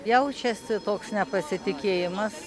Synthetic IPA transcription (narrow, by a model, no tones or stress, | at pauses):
jɛʊt͡ʃʲɛsʲɪt̪oːksnʲɛpɐsʲɪt̪ʲɪkʲeːjɪmɐs